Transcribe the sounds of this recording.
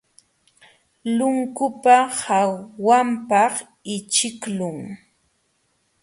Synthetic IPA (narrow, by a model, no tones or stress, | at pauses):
lʊŋkʊpahawːampɑχ | ɪt͡ʃɪklʊŋ